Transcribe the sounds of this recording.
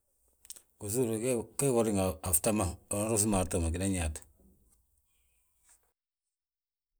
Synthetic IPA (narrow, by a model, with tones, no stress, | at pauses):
ku˨su˦ɾke˦ko˨ɾi˦ŋa˨a˨fta˦ma˦˨o˨n˦ɾo˦s̬ma˨ɾto˨ma˨ki˨da˦ɲa˨t